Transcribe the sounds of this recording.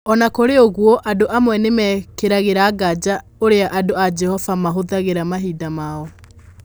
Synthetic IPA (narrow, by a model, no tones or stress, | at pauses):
ɔnakoɾeoɣwɔʔadoʔamwɛnemɛkeɾaɣeɾaːɡad͡ʒa | oɾeaʔadoad͡ʒɛhɔvamaɦoðaɣeɾamaɦiːdamaɔ